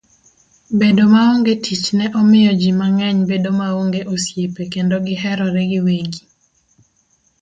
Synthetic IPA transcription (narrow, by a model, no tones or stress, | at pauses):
bedomaoŋɡetʰit͡ʃnɛʔɔmɪjɔd͡ʒimaŋɛɲbedomaoŋɡeʔosjepekendoɡɪhɛɾɔɾɛɡɪweɡi